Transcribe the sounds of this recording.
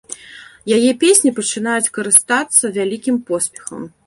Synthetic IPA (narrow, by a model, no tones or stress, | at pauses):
jajɛpʲesʲnʲipɐt͡ʂɨnajut͡sʲkɐɾɨst̪at̪sːɐvʲalʲikʲimpɔsʲpʲɛ̥xɐ̰m